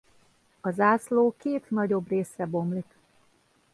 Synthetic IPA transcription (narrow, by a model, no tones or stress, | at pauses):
ɒzaːsloːkeːt̪nɒɟo̞breːsrɛbo̞mlik̪